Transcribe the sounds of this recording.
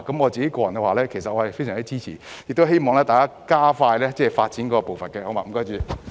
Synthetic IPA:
kɐ˨˦mɔ˨˧t͡siː˨ke˨˥jkɔː˧jɐ˨˩nkɛ˧waː˨˩lɛː˦˥kʰe˨˩jsɐ˨t̚ɔː˨˧˩ɐ˨˩fe˥jsœ˨˩ŋt͡ɕi˥t͡siː˥t͡sʰiː˨˩ | jk̚t̪o˥ɦe˥jmɔː˨ŋlɛː˥t̪aː˨jkaː˦˥kaː˥faː˧jlɛː˥t͡sɛː˥˩faː˧t̚t͡siː˨˥nkɔː˨˦˥kɔ˧po˨wfɐ˨nkɛ˧ho˨˥wma̰ː˨˩m̩˩˨˩kɔː˥t͡ʃyː˨˩

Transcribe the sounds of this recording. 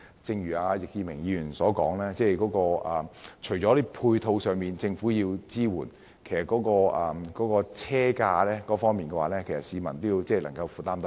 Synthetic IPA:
t͡sɪ˧ŋjyː˨˩aː˧jɪ˨k̚jiː˧mɪ˨˩ŋjiː˧jyː˨˩nsɔː˨˥kɔː˨˥ŋlɛː˥t͡sɛː˥˩kɔː˨˥kɔː˧ɐ˨˩t͡ʃʰɵ˨˩jt͡ʃɔː˨˥ɾi˥pʰuː˧jt̪ʰo˧wsœː˨ŋmiː˨˧nt͡sɪ˧ŋfuː˨˥jiː˧wt͡siː˥wuː˨˩n | kʰe˨˩jsɐ˨t̚kɔː˨˥kɔː˧ɐː˨kɔː˨˥kɔː˧t͡sʰɛː˥kaː˧lɛː˥kɔː˨˥fɔː˥ŋmiː˨nkɛː˧waː˨˥lɛː˥kʰe˨˩jsɐ˨˩tsiː˨˧mɐ˨˩nt̪o˥jiː˧wt͡sɛː˥˩lɐ˨˩ŋkɐ˧wfuː˨˧t̪aː˥mt̪ɐ˥

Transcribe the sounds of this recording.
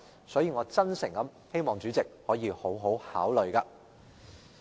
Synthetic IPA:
sɔː˨˥jiː˧ŋɔː˨˧t͡sɐ˥nsɪ˨˩ŋkɐ˨˥m | he˥jmɔː˨ŋt͡ʃyː˨˥t͡sɪ˨k̚hɔː˨˥jiː˨˧ho˨˥wɦo˨˥whaː˨˥wlɵ˨ɥkaː˧

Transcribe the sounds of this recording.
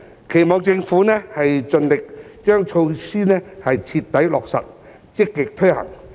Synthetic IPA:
kʰe˨˩jmɔː˨˧ŋt͡sɪ˧ŋfuː˨˥nɛː˥hɐ˨jt͡sɵ˧nlɪ˨k̚ | t͡ʃœː˥ŋt͡ʃʰo˧wsiː˥nɛː˥hɐ˨jt͡sʰi˧tt̪ːɐ˨˥jlɔː˨k̚sɐ̰˨t̚ | t͡sɪ˥kːɪ˨k̚t̪ʰɵ˥ɥhɐ̰˨˩ŋ

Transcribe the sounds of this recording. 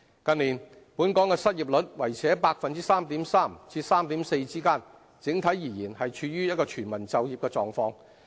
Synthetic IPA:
kɐ˧nliː˨˩n | puː˨˥nkɔː˨˥ŋkɛː˧sɐ˥t̚ji˨p̚lɵ˨˥t̚wɐ˨˩jt͡sʰɛː˨˥paː˧k̚fɐ˨nt͡siː˥saː˥mt̪iː˨˥msaː˥˩mt͡sʰiː˧saː˥mt̪iː˨˥mse˧jt͡siː˥kaː˥n | t͡sɪ˨˥ŋt̪ʰɐ˨˥jjiː˨˩jiː˨˩nhɐ˨jt͡ʃʰyː˧jyː˥jɐ˥t̚kɔː˧t͡ʃʰyː˨˩nmɐ˨˩nt͡sɐ˨wjiː˨p̚kɛ˧t͡sɔː˨˧ŋfɔː˧ŋ

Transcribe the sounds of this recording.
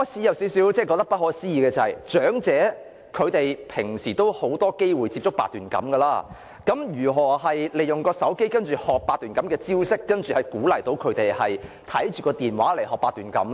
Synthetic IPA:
ɔː˨˥t͡sʰiː˨˥jɐ˨˧wsiː˨˥wsi˨˥wt͡sɛː˥˩kɔː˧k̚t̪ɐ˥pɐ˥hɔː˨˧siː˥jiː˨˧kɛː˧t͡sɐ˨˩hɐ̰˨jt͡ʃœː˨˥ŋt͡sɛː˨˥ | kʰɵ˨˧ɥt̪e˨jpʰɪ˨˩ŋsiː˨˩t̪o˥who˨˥wt̪ɔː˥ke˥jwuː˨jt͡siː˧p̚t͡ʃʊ˥k̚paː˧t̪̚yː˨˩nkɐ̰˨˥mkɐ˧laː˥ | kɐ˨˥mjyː˨˩ɦɔː˨˩hɐ˨jle˨˩jʊ˨ŋkɔː˧sɐ˨˥wke˥jkɐ˥nt͡ʃyː˨hɔː˨k̚paː˧t̪̚yː˨˩nkɐ˨˥mkɛː˧t͡siː˥wsɪ˥kːɐ˥nt͡ʃy˨hɐ˨˩jkuː˨˥lɐ˨˩jt̪o˨˧wkʰɵ˨˧ɥt̪e˨jhɐ˨j | t̪ʰɐ˨˥jt͡ʃyː˨kɔː˧t̪iː˨nwa̰ː˨˥le˨˩jɦɔː˨˩kpaː˧t̪ːyː˨nkɐ̰˨˥m

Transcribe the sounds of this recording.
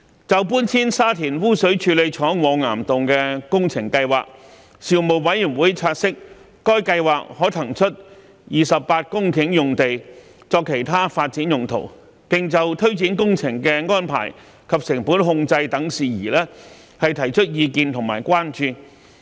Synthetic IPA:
t͡sɐ˨wpuː˥ntʰiː˥nsaː˥t̪ʰiː˨˩nwuː˥sɵ˨˥ɥt͡ʃʰyː˨˧le˨˧jt͡ʃʰɔː˨˥ŋwɔː˨˧ŋa̰ː˨˩mt̪ʊ˨ŋkɛː˧kʊ˥ŋt͡sʰɪ˨˩ŋkɐ˧jwa̰ː˨k̚ | siː˨˩wmo˨wwɐ˨˥jy˨˩nwuː˨˥jt͡sʰaː˧t̚sɪ˥k̚ː | ɔː˥jkɐ˧jwaː˨k̚hɔː˨˥t̪ʰɐ˨˩ŋt͡ʃʰɵ˥t̚ | jiː˨sɐ˨p̚paː˧t̚kʊ˥ŋkʰɪ˨˧˥ŋjʊ˨ŋt̪e˨j | t͡sɔː˧kʰːe˨˩jt̪ʰaː˥faː˧t̚t͡siː˨˥njʊ˨ŋt̪ʰo̰˨˩w | pɪ˨ŋt͡sɐ˨wt̪ʰɵ˥ɥt͡siː˨˥nkʊ˥ŋt͡sʰɪ˨˩ŋkɛː˧ŋɔː˥npʰa̰ː˨˩j | kʰɐ˨p̚sɪ˨˩ŋpuː˨˥nɦʊ˧ŋt͡sɐ˧jt̪ɐ˨˥ŋsiː˨jiː˨˩lɛː˥ | hɐ˨jt̪ʰɐ˨˩jt͡ʃʰɵ˥t̚jiː˧kiː˨˧nt̪ʰʊ˨˩ŋmaː˨˩jkʷaː˥nt͡ʃyː˨

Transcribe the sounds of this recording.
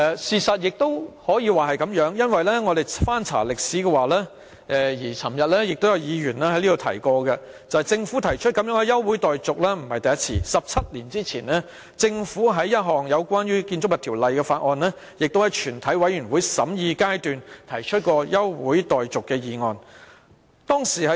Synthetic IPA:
ɛ˧siː˨sɐ˨t̚jɪ˨k̚t̪o˥whɔː˨˥jiː˨˧waː˨˩ɦɐ˨jkɐ˨˥mjœː˨˥ŋjɐ˥nwɐ˨jlɛː˥ŋɔː˨˧d̪e˨jfaː˥nt͡sʰa̰ː˨˩lɪ˨k̚siː˨˥kɛː˧waː˨lɛː˥ | ʔɛ˨jiː˨˩t͡sʰɐ˨˩mjɐ˨t̚lɛː˥jɪ˨k̚t̪o˥wjɐ˧wjiː˨˧jyː˨˩nlɛː˥hɐ˨˥jliː˥do˨wt̪ʰɐ˨˩jkɔː˧ɡɐ˧ | t͡sɐ˨whɐ˨jt͡sɪ˧ŋfu˨˥t̪ʰɐ˨˩jt͡ʃʰɵ˥t̚kɐ˨˥mjœː˨˥ŋkɛ˨˧jɐ˥wwu˨˥jt̪ɔː˨jt͡sʊ˨k̚lɛː˥m̩˨˩hɐ˨jt̪ɐ˨jɐ˥t̚t͡sʰḭː˧sɐ˨p̚t͡sʰɐ˥t̚liː˨˩nt͡siː˥t͡sʰiː˨˩nlɛː˥ | t͡sɪ˧ŋfuː˨˥ɦɐ˨˥jːɐ˥t̚ɦɔː˨ŋjɐ˨˧wkʷaː˥njyː˥kiː˧nt͡sʊ˥k̚jɐ˨t̪ʰi˨˩wlɐ˨jkɛː˧faː˧t̚ʔɔː˨˧nlɛː˥ | jɪ˨k̚t̪o˥whɐ˨˩jt͡ʃʰyː˨˩nt̪ʰɐ˨˥jwɐ˨˥jyː˨˩nwuː˨˥jsɐ˨˥mjiː˧kaː˥jt̪yː˨nt̪ʰɐ˨˩jt͡ʃʰɵ˥t̚kɔː˧jɐ˥wwṵː˨˥jt̪ɔː˨jt͡sʊ˨kːɛː˧jiː˨˧ŋɔː˨˧n | t̪ɔː˥ŋsiː˨˩hɐ˨˦

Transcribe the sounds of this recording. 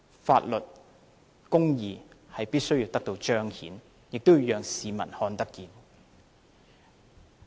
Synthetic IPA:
fa̰ː˧t̚lɵ˨t̚ | kʊ˥ŋjiː˨˧hɐ˨jpiː˥t̚sɵ˥ɥjiː˧wt̪ɐ˥k̚t̪o˧wt͡ʃœː˥ŋhḭː˨˥n | jɪ˨k̚t̪o˥wjjœː˨˧ŋsiː˨mɐ̰˨˩nhɔː˧nt̪ɐ˥kːiː˨˧n

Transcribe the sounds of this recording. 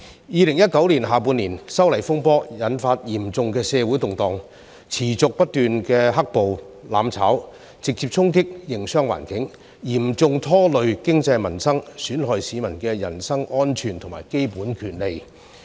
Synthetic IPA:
jiː˨˧lɪ˨˩ŋjɐ˥t̚kɐ˨˥wliː˨˩nɦaː˨˩puː˧nːiː˨˩nsɐ˥wlɐ˨˩jfʊ˥ŋpɔː˥jɐ˨˥nfaː˧t̚jiː˨˩mt͡sʊ˨˧ŋkɛː˧sɛː˧wuː˨˥jt̪ʊ˨˩ŋt̪ɔː˨ŋ | t͡sʰiː˨˩t͡sʊ˨k̚pɐ˥t̚t̪yː˨nkɛː˧ɦɐ˥k̚po˨w | la̰ː˨˥mt͡sʰaː˨˥w | t͡sɪ˨k̚t͡siː˧p̚t͡sʰʊ˥ŋk̬ɪ˥k̚jɪ˨˩ŋsœː˥ŋwa̰ː˨˩nkɪ˨˥ŋ | jiː˨˩mt͡sʊ˧ŋt̪ʰɔː˥lɵ˨˧ɥkɪ˥ŋt͡sɐ˧jmɐ˨˩nsɐ˥ŋsyː˨˥nɦɔː˨jsiː˨˧mɐ˨˩nkɛː˧jɐ˨˩nsɐ˥ŋʔɔː˥nt͡ʃʰyː˨˩nt̪ʰʊ˨˩ŋma̰ː˨˩jke˥jpuː˨˥nkʰyː˨˩nle˨j

